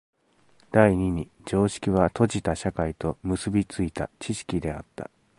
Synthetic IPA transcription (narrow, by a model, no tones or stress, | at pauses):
d̪̥aiɲ̟iɲ̟i | d͡ʑo̞ːɕi̥kʲiβ̞at̪ʰo̞ʑit̪aɕakait̪o̞mɯ̟sɨbʲit͡sɨit̪a̰t͡ɕiɕi̥kʲid̪e̞at̪ːa̰